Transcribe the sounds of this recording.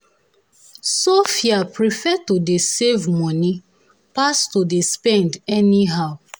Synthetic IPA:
sofiapɹifɛtodesevmɔni | pastodespɛ̃ndɛniɦaʊ

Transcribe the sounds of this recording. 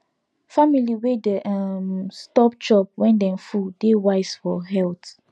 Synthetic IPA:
familiwedeʔamstɔp̚t͡ʃɔp̚wɛ̃ndɛ̃nfudewaɪsfɔɦɛlt

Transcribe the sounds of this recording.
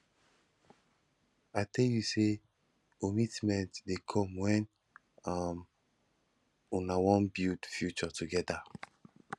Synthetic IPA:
ajtʰɛljuse | omitmɛ̃ntdekʰɔ̃mwɛ̃n | am | unawɔ̃nbidfjut͡ʃɔtuɡɛda

